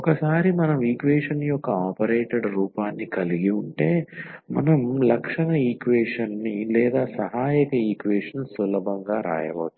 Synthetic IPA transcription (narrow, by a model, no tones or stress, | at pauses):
ɔkɐsaːɾimɐnɐmiːkʋeːʂɐnjɔkːɐaːpɐɾeːʈeɽɾuːpaːnːikɐliɡiuɳʈe̞ːmɐnɐmlɐkʂɐɳɐiːkʋeːʂɐnːilɛːd̪aːsɐɦaːjɐkɐiːkʋeːʂɐnsulɐbʱɐŋɡaːɾa̰ːjɐ̰ʋɐ̰t̪ːu